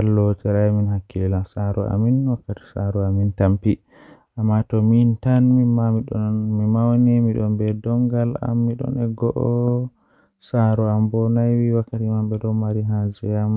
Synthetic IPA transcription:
alːɔtɛɾajminɦakːilasaɾɔʔa̰minwakːati̥saɾɔamintampi | ʔamːatɔmintanmimamiɗɔmimawnimiɗɔmbɛdɔŋɡala̰mːiɗɔ̰nɛɡɔʔɔ | saɾɔambɔnajwiwakːatimamɓɛɗɔmaɾiɦad͡ʒɛjam

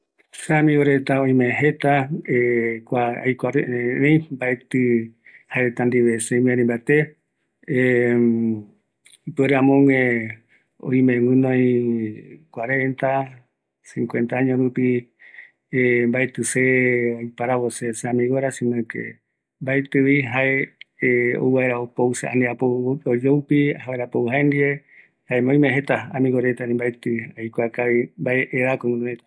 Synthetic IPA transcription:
samĩwoɾet̪aõĩmẽɦet̪aekʷaa̰jkʷaɾeʔeẽmbaet̪ɨhaeɾet̪and̪iβesẽmẽɾĩmbat̪e | ipeɾeãmõŋẽ | õ̰ĩmẽwɨ̃nõĩ | kʷaɾent̪a | sĩŋkwẽ̞nt̪aaɲõɾupi | mbaet̪ɨseojpaɾaβoseseãmĩɣoɾasĩnãkḛ | mbaet̪ɨβiɦae | o̰wβaeɾaopowusea̰neapood͡ʒoupihaeɾapoɨɦaend̪iɾe | haemẽõj̃mẽɦet̪aamĩŋɣoɾet̪anĩmbaet̪ɨiajkʷakaβimbaeʔeɾakowɨ̃nõĩ

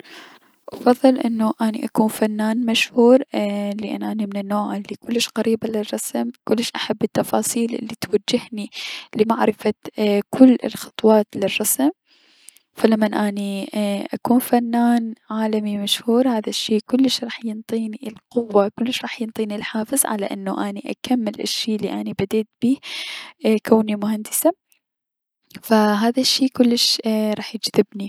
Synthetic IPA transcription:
wfɑðˤːɨlʔɪ̰nːuʔaːnḭʔakuːnfanːaːnmaʃhuːɾlɪʔa̰nːʔaːnimɪnɪnːoːʕʔɪlːikʊlːɪʃqaɾiːbalɪrˤːɑsmkʊlːɪʃʔaħabːɪt̪ːɑfɑːsˤiːlʔɪ̰lːit̪wad͡ʒːɪhnilɪmaʕɾɪfakʰʊlːɪ̰lxɑ̥t̪ˤwɑːt̪lɪrˤːɑsm | falamːanʔaːniʔakuːnfanːaːnʕaːlamimaʃhuːɾhaːðaʃːiːkʊlːɪʃɾˤɑːħjɪnt̪ˤiːniɪlqʊwːakʊlːɪʃɾˤɑːħjɪnt̪ˤiːnilħaːfɨzˤʕa̰la̰ʔɪ̰nːuʔaːniʔa̰kamːɪlʔɪ̰ʃːiːʔlːḭʔanibad̪eːt̪̚b̥iː | kaːnimʊhand̪ɪsa | faɦaːðaʃːiːkʊlːɪʃɾˤɑːħjɪd͡ʒðɪbni

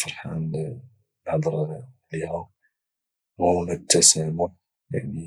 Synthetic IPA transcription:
fɑɾˤħan | ħd̪ˤɾˤlihæ | whunət̪ːæsæmʊħ | ja̰ʕni

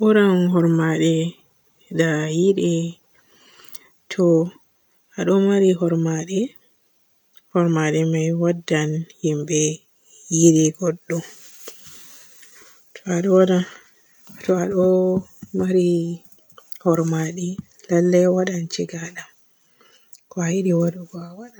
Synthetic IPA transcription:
ɓɔɾanɦɔɾmaɗɛ | dajiɗɛ | tʰɔ | aɗɔmaɾiɦɔɾmaɗɛ | hɔɾmaɗɛmajwadːanhimbɛ | jiɗɛɡɔɗːɔ | tʰɔaɗɔwaɗan | tɔaɗɔmaɾi | hɔɾmaɗɛ | lalːawaɗant͡ʃiɡala | kɔajiɗiwaduɡɔawaɗa

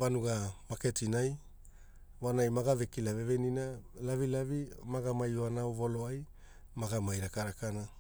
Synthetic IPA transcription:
vanuɡamake̞tinaj | vanajmaɡave̞kilave̞veninalavilavimaɡamajoanawvo̞loaj | maɡamajɾakaɾakana

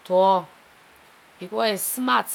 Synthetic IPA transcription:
tɔ | b̥ikɔesɨmat͡s

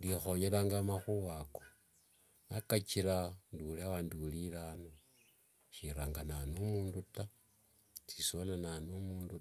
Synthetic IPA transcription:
ndixoɲelaːŋɡamaxuβako | nakat͡ʃiɾanduliawandulilano | ʃiɾaːŋɡananumuːnduta | t͡sisolananumuːndu

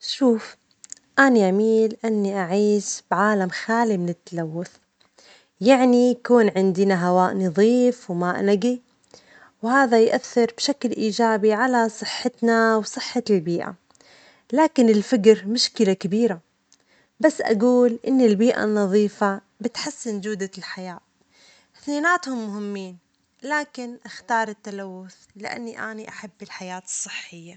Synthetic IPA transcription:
ʃuːf | ʔaniʕamiːlʔanːiʔaʕiːʃb̥ʕaːlamxaːlimɪnɪt̪ːalawːʊθ | jaʕnijkuːnʕɪnd̪ɪnaɦawaːʔnɑðˤiːfwmaːʔnaɡi | whaːðajʔaθːɪɾbʃaklʔiːd͡ʒaːbiʕalasˤɨħːɪt̪nawsˤɨħːalbiːʔa̰ | laːkɪnɪlfakɾmʊʃkɪlakabiːɾa | basːʔa̰ɡuːlʔɪnːɪlbiːʔa̰nːɑðˤiːfa | bɪt̪ħasːɪnd͡ʒʊːd̪alħajaː | θniːnaːt̪hʊmːʊhɪmːiːn | laːkɪnʔaxt̪ɑːɾˤɪt̪ːalawːʊθlɪʔa̰nːiʔaːniʔaħabːɪlħajaːt̪ɨ̥sˤːɨħːɪjːa

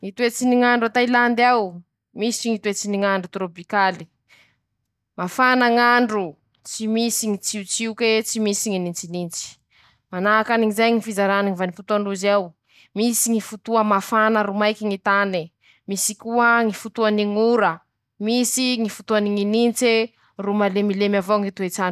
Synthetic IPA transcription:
ŋit̪uet͡siniŋaɳɖ͡ʐat̪ailand̪aw | misiŋit̪uet͡siniŋaɳɖ͡ʐut̪ɾopikali̥ | mafanaŋaɳɖ͡ʐu | t͡simisiŋit͡siut͡siuket͡simisiŋinint͡sinint͡si̥ | manaːkaniŋizajŋifizaɾaniŋivanifut̪uaɳɖ͡ʐuzew | misiŋifut̪uəmafanəɾumajkiŋit̪ani | misikuəŋifut̪uaniŋuɾə | misiŋifut̪uaniŋinint͡se | rumalemilemavoŋit̪uet͡san

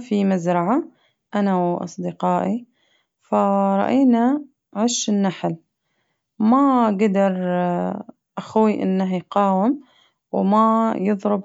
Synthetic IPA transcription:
fimazɾˤɑʕa | ʔanawʔɑ̰sˤd̪ɪqɑːʔi | faɾˤɑ̰ʔiːna | ʕɪʃɪnːaħl | maɡad̪ɑɾˤ | ʔaxwiʔɪ̰nːaɦjqɑːwɪm | wmajɨðˤɾɨb

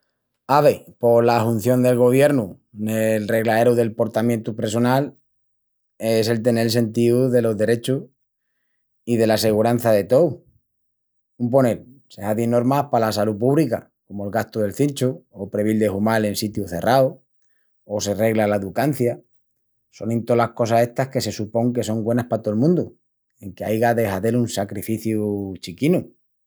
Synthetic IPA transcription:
aβe̞po̞lahun̟θjo̞nd̪e̞lɣo̞β̞je̞ɾnu | nelre̞ɣlae̞ɾuðe̞lpo̞ɾt̪amjent̪upɾes̬o̞nal | e̞se̞lt̪e̞nelse̞nt̪iuðe̞lo̞zðe̞ɾe̞t͡ʃu | ið̞e̞lase̞ɣ̞uɾan̟θaðe̞t̪o̞w | ump̬o̞ne̞l | se̞ɦaðino̞ɾmahpalas̬alup̬uβlika̰ | ko̞moelɣast̪oðe̞lθint͡ʃuopɾe̞β̞ild̪e̞humale̞nsit̪juθe̞rʔao | ose̞re̞ɣlalaeðukan̟θja | so̞nẽnt̪o̞lahko̞sase̞ht̪ahke̞se̞supo̞ŋke̞so̞ŋɡwe̞nahpat̪oelmũnd̪u | e̞ŋkeajɣaðe̞haðe̞lunsakɾifiθjut͡ʃikinu

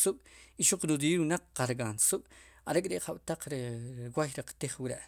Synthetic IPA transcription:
suɓ̥iʃuq͡χnud̪iːɾwunaqqaɾɡansuɓ̥aɾekʼɾeʔqaɓ̥t̪aq͡χɾewajɾaqt̪iχwiɾeʔ

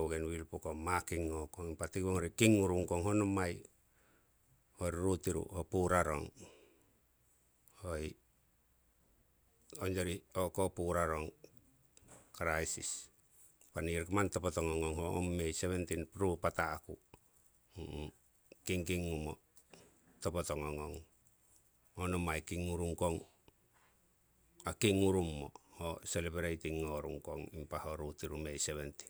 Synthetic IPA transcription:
owɡenwilpokomakiŋːokoŋipatikoŋoɾikiŋːuɾuŋkoŋɦonomaj | hoɾɾutiɾṵhopuɾaɾo̰ŋ | hoi | ond͡ʒoɾiokopuɾaɾoŋ | kɾajsis | paniɾkamantopotoŋoŋoŋhoo̰mːejseβentinpɾupataːku | kiŋkiŋːumo̰ | topotoŋoŋoŋ | honomajkiŋːuɾuŋkoŋ | akiŋːuɾumːo̰hoselebeɾejtiŋːoɾṵŋkoŋimpahoɾutiɾumejseβenti̥

